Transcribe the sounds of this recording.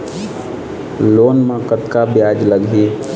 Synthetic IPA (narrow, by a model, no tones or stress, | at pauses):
loːnmãkət̪kabjaːd͡ʒləɡi